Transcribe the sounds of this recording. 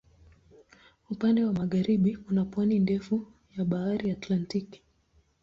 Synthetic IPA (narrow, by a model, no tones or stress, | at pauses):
upandɛwamaɣaɾiɓikunapwanindɛfu | jaɓaaɾiatlantiki̥